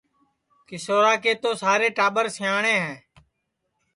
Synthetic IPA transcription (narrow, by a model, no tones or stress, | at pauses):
kɪsoːɾaːkeːt̪oːsaːɾeːʈaːɓəɾsɪjaːɳẽːɦɛ̃ː